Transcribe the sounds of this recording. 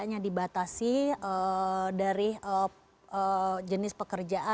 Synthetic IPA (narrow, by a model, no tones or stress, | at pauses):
aɲadibat̪asiədaɾiə | əd͡ʒənɪspəkərd͡ʒaʔa